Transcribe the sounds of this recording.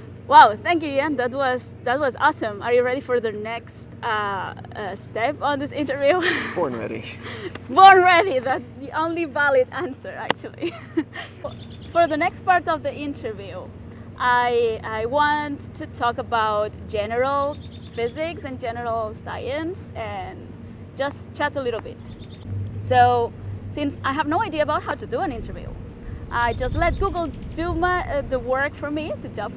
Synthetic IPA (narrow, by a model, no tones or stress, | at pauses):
wɛlˠθæ̃ŋk̬jɨɛ̃nðæt̬̚wʌz̥ | ðət̚wʌzɔ̰sə̃mə˞jɨɹɛɾifə˞ðɨnɛkstʌ | stɛpn̩ðɪsɪ̃ntə˞vjʉbɔɹnɹɛ̰ɾḭbɔɹnɹɛɾiðætsðiʔõʊ̃nlivælˠɨdæ̃nsə˞æ̰k̚t͡ʃul̩ˠḭ | fə˞ðɨnɛkstpɑɹɾʌvðiɪ̃ntʰə˞vjʉ | ʔaɪaɪwɑ̃ntʰɨtʰɔkəbaʊt̚d̥ʒ̥ɛnə˞l̩ˠ | fɪzɪksɨ̃nd͡ʒɛnə˞l̩ˠsa̰ɪɨ̃nsɨ̃n | d͡ʒʌs | t͡ʃʰæɾəlɪɾl̩ˠbɪ̰t | soʊsɪ̃nsaɪɨvnoʊaɪdiɨəbaʊt̚haʊɾɨdɨə̃nɪ̃ntə˞vjʉ̰ | ʔaɪd͡ʒʌstˡlɛt̚ɡ̥uɡl̩ˠdɨmðəwɜ˞kfə˞mitɨd͡ʒʌ̃p